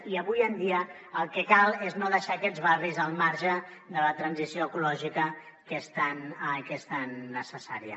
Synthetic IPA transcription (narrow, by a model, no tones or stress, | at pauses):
iəβujənd̪iə | əlˠkəkalˠeznoðəʃakɛd͡zβarizəlˠmaɾʒə | ðələt̪ɾənzisioəkulɔʒikə | kəst̪ankəst̪anːəsəsaɾjə̰